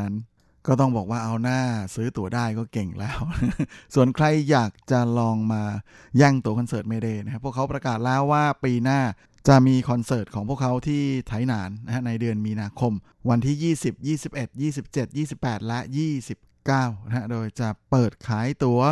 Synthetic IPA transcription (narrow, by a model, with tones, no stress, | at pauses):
a˦˥n | kɔː˥˩t̪̬ɔ˥˩ŋbɔː˨˩k̚waː˥˩ʔa˧wnaː˥˩sɯː˦˥t̪u˨˩˦ɐdaː˥˩jkɔː˥˩ke˨˩ŋlɛː˦˥wsu˨˩ənkʰɾa˧jːaː˨˩k̚t͡ɕa˨˩lɔː˧ŋmaː˧ | jɛː˥˩ŋt̪u˧˩əkʰɔ˧nsɤː˨˩t̪̚meː˧deː˧na˦˥kʰa˦˥pʰu˥˩əkʰːa˦˥wpɾa˧kaː˨˩t̪̚lɛː˦˥wːaː˥˩piː˧naː˥˩ | t͡ɕa˨˩miː˧kʰɔ˧nsɤː˨˩t̪̚kʰɔː˩˦ŋpʰu˥˩əkʰa˦˥wt̪ʰiː˥˩t̪ʰa˩˦jnaː˩˦nːa˦˥ha˦˥na˧jdɯ˧ənmiː˧naː˧kʰo˧m | wa˧nt̪ʰiː˥˩jiː˥˩si˨˩p̚jiː˥˩si˨˩p̚ʔe˨˩t̪̚jiː˥˩si˨˩p̚t͡ɕe˨˩t̪̚jiː˥˩si˨˩pːɛː˨˩t̪̚lɛ˦˥jiː˥˩si˨˩p̚kaː˥˩wna˦˧ɦa˦˥doː˧jt͡ɕa˨˩pɤː˨˩t̪̚kʰaː˩˦jt̪u˧˩˦ɐ